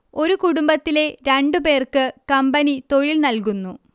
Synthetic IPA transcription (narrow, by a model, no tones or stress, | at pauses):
o̞ɾukuɽumbɐt̪ːile̞ɾeɳɖupe̞ːrkɨkɐmbɐnit̪o̞ɻilnɐlkunːu